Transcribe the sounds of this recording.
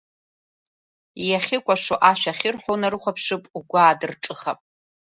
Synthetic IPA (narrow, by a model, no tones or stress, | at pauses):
ijaχʲɪkʷʼaʂoʔaʃʷᶣaχʲɪrħʷᶣonaɾɨχʷapʰʂɨpʼuɡʷaːdɨrʈ͡ʂʼɨχapʼ